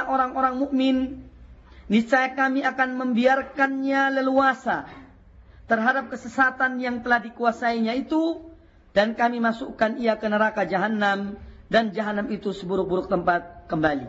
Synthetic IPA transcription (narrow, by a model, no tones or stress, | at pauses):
ʔoɾaŋoɾaŋmuʔmɪnː | it͡ʃaɛkamiakanməmbiarkanɲaləluasa | t̪ərɦadap̚kəsəsat̪anjaŋt̪əlahdikuasaiɲait̪u | d̥ankamimasukaniakənəɾakad͡ʒaɦanːamdand͡ʒaɦanamit̪usəbuɾʊk̚buɾʊk̚t̪əmpat̪̚kəmbalḭ